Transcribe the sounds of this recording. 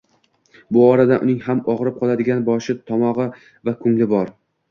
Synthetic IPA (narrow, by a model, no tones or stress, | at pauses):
bʊɒɾad̪aʔʊnɪŋhamɒʁɾɪp̚qʰɒlˠad̪ɪɡʲanbɒʃɪt̪ʰɒmɒʁɨ | vakʰʊŋlɪbɒɾ